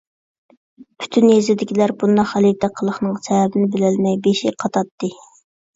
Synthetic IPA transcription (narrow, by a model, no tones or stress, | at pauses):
pʰy̥t̪ʰynjezɪd̪ɪkʲʰilæɾbund̪ɑχælit̪ʰæqʰːəlˠəχnɨŋsʰɛwɛbɪnɪbɪlɪlmɛjbeʃiqʰɑt̪ʰɑt̪ːɨ